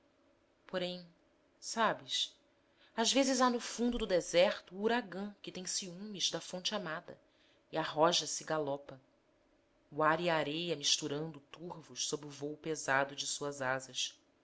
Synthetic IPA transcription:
poɾẽj̃ | sabɪs | azvezɪzanʊfũnd̪ʊd̪ʊd̪ezɛɾt̪ʊːɾaɡɐ̃kɪt̪ẽj̃siũmiʒd̪ɐfõnt͡ʃɪamad̪ɐ̰ | iaɦɔʒɐsɪɡalɔpɐ | waɾiaːɾejɐmiʃt̪uɾɐ̃nd̪ʊt̪uɾvʊʃsobɾɪʊvowpezad̪ʊd͡ʒɪsuɐzazɐʃ

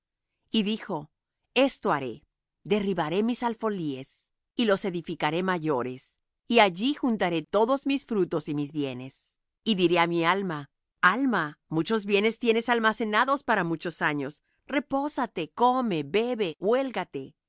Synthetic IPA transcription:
iðixo̞ | e̞st̪o̞aɾe̞̰ | ðe̞riβaɾe̞misalfo̞lie̞s | ilo̞se̞ðifikaɾe̞maʝo̞ɾe̞s | iaʝixunt̪aɾe̞t̪o̞ðo̞zmisfɾut̪o̞simizβje̞ne̞s | iðiɾe̞amialma | almamut͡ʃo̞zβje̞ne̞st̪je̞ne̞salmase̞naðo̞spaɾamut͡ʃo̞saɲo̞s | re̞po̞sat̪e̞ko̞me̞be̞βe̞wwe̞lɡat̪e̞

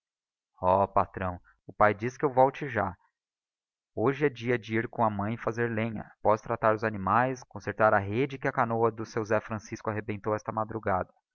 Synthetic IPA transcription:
ɔpat̪ɾɐ̃w̃ | ʊpajd͡ʒiskɪewvɔwt͡ʃɪʒa | oʒɪɛd͡ʒiɐd͡ʒɪiɾkõw̃ɐmɐ̃j̃ɪfazeɾlẽɲɐ̰pɔst̪ɾat̪aɾʊzanimajskõseɾt̪aɾɐɦed͡ʒɪkɪɐkanoɐd̪ʊsewzɛfɾɐ̃siskʊaɦebẽnt̪owɛst̪ɐmad̪ɾuɡad̪ɐ

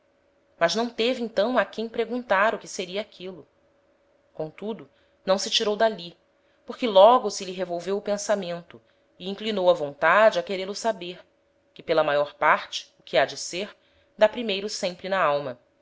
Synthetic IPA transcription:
mɐʒnɐ̃w̃t̪eviẽnt̪ɐ̃w̃akẽj̃pɾeɡũnt̪aɾʊkɪseɾiɐːkʰilʊ | kõt̪ud̪ʊ | nɐ̃w̃sɪt͡ʃiɾowd̪ali | poɾkɪlɔɡʊsɪliɦevowvewʊpẽsamẽnt̪ʊ | ɪĩŋklinowɐvõnt̪ad͡ʒɪɐkeɾelʊsabeɾ | kɪpelɐmajɔɾpaɾt͡ʃɪ̥ʊkʰɪad͡ʒɪseɾ | d̪apɾimejɾʊsẽmpɾɪnaawmɐ

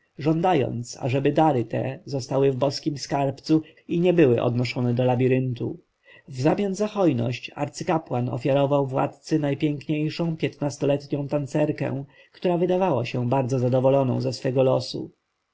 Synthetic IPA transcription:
ʐɔnd̪ajɔ̰nt̪sa̰ʐɛbɘd̪aɾɘt̪ɛ̰zɔst̪awɘvbɔskʲimskaɾpt̪su | iɲɛbɘwɘʔɔ̰d̪nɔʂɔnɛd̪ɔlabʲiɾɘnt̪u | vzamʲjanzaxɔjnɔ̰ɕt͡ɕa̰ɾt̪sɘkapwanɔ̰fʲjaɾɔvawvwa̰t̪t̪sɘnajpʲjɛŋkɲejʂɔ̃w̃pʲjɛt̪nast̪ɔlɛt̪ɲɔ̃w̃t̪ant̪sɛɾkɛ̰̃w̃ | kt̪uɾavɘd̪avawaɕɛbaɾd̪zɔzad̪ɔvɔlɔnɔ̰̃w̃zasfɛɡɔlɔsṵ

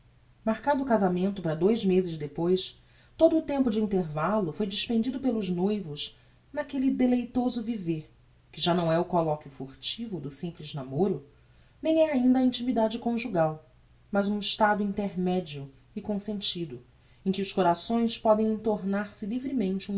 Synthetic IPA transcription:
maɾkad̪ʊːkazamẽnt̪ʊpɾɐd̪ojzmezɪzd̪epojs | t̪od̪ʊːt̪ẽmpʊd͡ʒɪĩnt̪eɾvalʊfojd͡ʒiʃpẽnd͡ʒid̪ʊpelʊznojvʊʃ | nakelid̪elejt̪ozʊviveɾ | kɪʒanɐ̃w̃ɛʊkolɔkjʊfoχt͡ʃivʊd̪ʊsĩmplɪznamoɾʊ | nẽj̃ɛaĩnd̪ɐːĩnt͡ʃimid̪ad͡ʒɪkõʒuɡaw | mɐzũɪʃt̪ad̪ʊĩnt̪eɾmɛd͡ʒiʊ | ɪkõsẽnt͡ʃid̪ʊ | ẽkɪʊʃkoɾasõj̃spɔd̪ẽj̃ĩnt̪oɾnaɾsɪlivɾɪmẽnt͡ʃɪũ

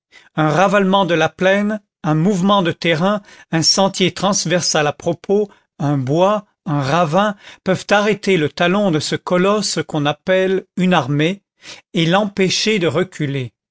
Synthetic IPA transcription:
ɛ̃ʁavalmɑ̃d̪əlaplɛn | ɛ̃muvmɑ̃d̪ət̪ɛʁɛ̃ɛ̃sɑ̃t̪jet̪χɑ̃svɛʁsalapχɔpʰo | ɛ̃bwa | ɛ̃ʁavɛ̃pœvt̪aʁet̪elət̪alɔ̃d̪əsəkɔlɔskɔ̃napɛlynaʁme | elɑ̃peʃed̪əʁəkʲʰyle

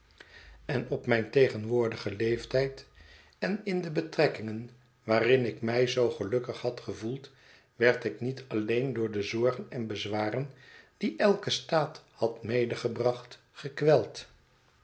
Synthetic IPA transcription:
ɛnɔpmɛjntejχənʋʊːɹdəχəlejftɛjt | ɛnɪndəbətrɛkɪŋən | ʋaːrɪnɪkmɛjzowχəlɵkəχhɑtχəvulˠt | ʋɛɹtɪknitɑlejndʊːɹdəzɔɹχənɛnbəzʋaːrənd̥iʔɛlˠkəstaːthɑtmejdəχəbrɑχt | χəkʋɛlˠt

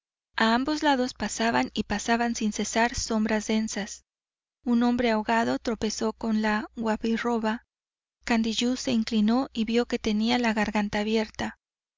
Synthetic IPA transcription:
aambo̞zlaðo̞spasaβanipasaβansinse̞saɾso̞mbɾazðe̞nsas | unõ̞mbɾe̞aoɣað̞o̞t̪ɾo̞pe̞so̞ko̞nlaɣwaβiro̞βa | kand̪iʝuse̞iŋklino̞iβjo̞ke̞t̪e̞nialaɣaɾɣant̪aːβje̞ɾt̪a

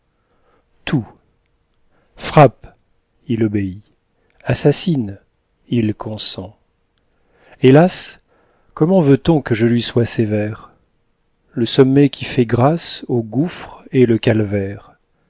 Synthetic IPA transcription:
t̪ʰu | fχap | ilɔbei | asasin | ilkʰɔ̃sɑ̃ | elas | kɔmɑ̃vøt̪ɔ̃kəʒəlɥiswasevɛʁ | ləsɔmːɛkʲʰifɛɡʁasoɡufχeləkalvɛʁ

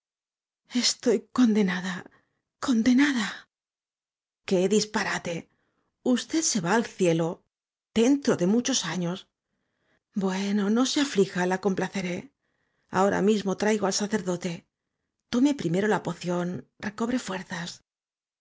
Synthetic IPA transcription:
e̞st̪o̞jko̞nd̪e̞naða | ko̞nd̪e̞naða | ke̞ðispaɾat̪e̞ | ust̪e̞ðse̞βaːlθje̞lo̞ | ð̥e̞nt̪ɾo̞ðe̞mut͡ʃo̞saɲo̞s | bwe̞no̞no̞seaflixalako̞mplaθe̞ɾe̞ | a̰o̞ɾʔa̰mizmo̞t̪ɾajɣoalsaθe̞ɾðo̞t̪e̞ | t̪o̞me̞pɾime̞ɾo̞lapo̞θjo̞nre̞ko̞βɾe̞fwe̞ɾθas

